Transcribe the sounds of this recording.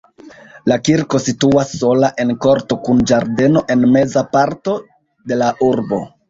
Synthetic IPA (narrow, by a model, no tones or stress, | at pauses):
lakiɾko̞situasːo̞laʔe̞nko̞ɾto̞kund͡ʒaɾde̞no̞ʔe̞nme̞zapaɾto̞ | de̞laʔuɾbo̞̰